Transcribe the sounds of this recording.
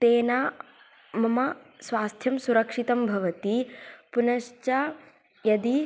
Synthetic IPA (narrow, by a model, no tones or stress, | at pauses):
t̪eːnaː | mɐmɐsʋaːst̪ʰjɐmsuɾɐkʂit̪ɐmbʱɐʋɐt̪ipunɐʃt͡ʃa | jɐd̪i